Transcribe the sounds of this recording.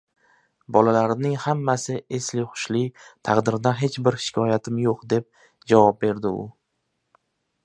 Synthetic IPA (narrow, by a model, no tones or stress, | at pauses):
bɒlalaɾɪnɪŋhamːasɪeslɪχʊ̥ʃlɪt̪ʰɑqd̪ɪɾd̪aɦe̞t͡ʃbɪɾʃɪ̥kʲʰɒjat̪ʰɪmjoqd̪e̞p̚ | d͡ʒavɒp̚be̞ɾd̪ɪʊ